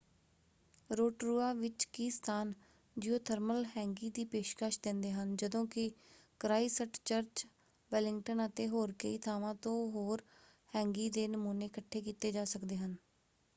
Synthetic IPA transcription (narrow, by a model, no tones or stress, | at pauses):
ɾoːʈɾuːaːʋɪt͡ʃkiːst̪ʰaːn | d͡ʒiːoːt̪ʰəɾməlɦɛ̃ːŋɡiːd̪iːpeːʃkaʃd̪ɪ̃nd̪eːɦənd͡ʒəd̪õːkɪkɾaːiːsəʈt͡ʃəɾt͡ʃ | ʋɛlɪŋɡʈənət̪eːɦoːɾkəiːt̪ʰaːʋãːt̪õːɦoːɾ | hɛ̃ːŋɡiːd̪eːnəmuːneːkəʈʰːeːkiːt̪eːd͡ʒaːsəkd̪eːɦən